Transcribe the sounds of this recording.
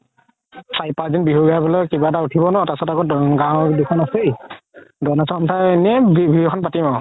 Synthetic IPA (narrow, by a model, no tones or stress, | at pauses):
sajpazinbiɦuɡabɔlɔkibatautʰibɔnɔtasɔtaɡɔɡãwdikʰɔnasejdɔnasɔɔntʰaɛnɛbbiɦukʰɔnpatimɔ